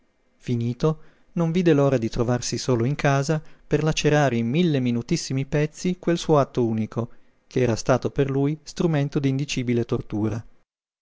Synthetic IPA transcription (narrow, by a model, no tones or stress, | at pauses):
finiːt̪o | noɱviːd̪eloːɾad̪it̪ɾovarsisoːloiŋkʰaːzaperlat͡ʃːeɾaːɾeimːilːeminut̪isːimipɛt̪sːikwelsuːoat̪ːouːnikʰo | kʰeɛːɾast̪aːt̪operlujst̪ɾument̪od̪iːnd̪it͡ʃiːbilet̪ort̪uːɾa